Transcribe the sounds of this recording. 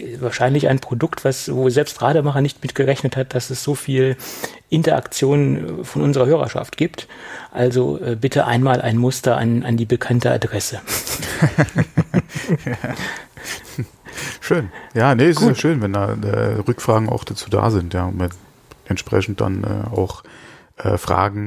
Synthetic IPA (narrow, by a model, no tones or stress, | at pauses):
vaːɐʃaɪnlɪça̰ɪnpʁ̥odʊktv̥asvoːzɛlpstʁaːdəmaχɐnɪçtmɪtɡ̥əʁɛçnəthat̚d̥asɛsz̥oːfiːlʔɪntɐʔa̰kt͡sjoːnnfɔnʔʊnzəʁɐhøːʁɐ̰ʃa̰ftɡ̥iːptʔalzo̰ʔɛːbɪtʰəʔa̰ɪnmaːlʔa̰ɪnmʊstɐʔa̰nʔa̰ndiːbəkʰantəa̰dʁɛsə | ʃøːnjaːnəɪsjaʃøːnvɛndaːɛ̰ːʁʏkfʁ̥aːɡŋ̩a̰ʊxd̥at͡suːda̰ːzɪntjaːʊmmɪ | ʔɛntʃpʁ̥ɛ̰çn̩t̚d̥a̰nʔɛ̰ːa̰ʊx | ʔɛ̰ːfʁ̥a̰ːɡŋ̩